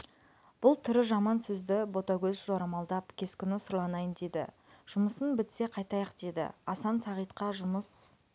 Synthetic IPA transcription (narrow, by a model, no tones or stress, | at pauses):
b̥ʊlˠt̪ʰʏɾɪʒɑmɑnsɵzd̪ɪbo̞t̪ɑɡʲɵzʒoɾɑmɑlˠd̪ɑpkʲʰe̞skʲʏnɪsʊɾlˠɑnɑjənd̪ejd̪ɪ̰ | ʒ̥ʊməsənbɪt̪se̞qʰɑjt̪ɑjɑqd̪̥ed̪ɪ̰ɑsɑnsɑʁijt̪̚qɑʒʊməs